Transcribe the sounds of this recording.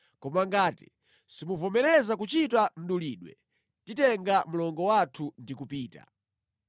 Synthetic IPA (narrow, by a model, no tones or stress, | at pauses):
kɔmaŋɡaːti̥̰ | simuvɔmɛɾɛzakut͡ʃitan̩ɗuliːɗwɛ̰ | titɛŋɡam̩lɔŋɡɔwatʰundikupiːta̰